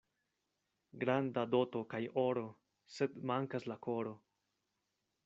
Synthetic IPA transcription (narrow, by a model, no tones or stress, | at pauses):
ɡɾandado̞to̞kajo̞ɾo̞ | se̞dmaŋkaslako̞ɾo̞